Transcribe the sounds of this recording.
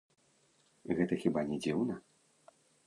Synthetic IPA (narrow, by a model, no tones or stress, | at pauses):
ɣɛt̪ɐxʲibanʲɛd͡zʲiwnɐ